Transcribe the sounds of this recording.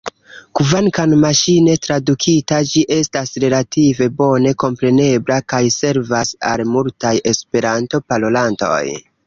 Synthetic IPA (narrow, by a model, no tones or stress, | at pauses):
kuvankanmaʃine̞tɾadukʰitad͡ʒiʔe̞stasɾe̞latʰive̞bo̞ne̞ko̞mpɾe̞ne̞blakajse̞ɾvasa̰lmultaje̞spe̞ɾanto̞palo̞lanto̞̰j